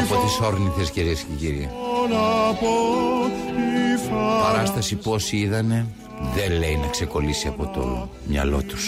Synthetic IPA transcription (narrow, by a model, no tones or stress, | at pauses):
pot̪eso̞ɾniθesciɾiesceciɾienɐpo | ifɐpɐɾɐst̪ɐsipuo̞siiðɐne̞ | ðe̞leinɐkse̞ko̞lisiɐpo̞t̪o̞̰ | mɲɐ̰lo̞̰t̪u̥s